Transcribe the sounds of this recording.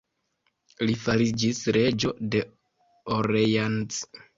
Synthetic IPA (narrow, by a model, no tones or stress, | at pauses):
lifaɾid͡ʒisɾe̞d͡ʒo̞de̞ | oɾejans